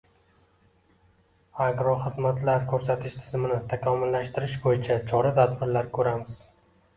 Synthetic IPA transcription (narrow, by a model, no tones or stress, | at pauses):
aɡɾɒχɨzmat̪ʰlaɾkʰɵɾsat̪ʰɪʃt̪ʰɪ̥zmɪnɪt̪ʰakʰɒmɪlːaʃt̪ɪɾɪʃbojɪt͡ʃʰat͡ʃʰɒɾat̪ʰad̪̚bɪɾlaɾkʰɵɾamɪz̥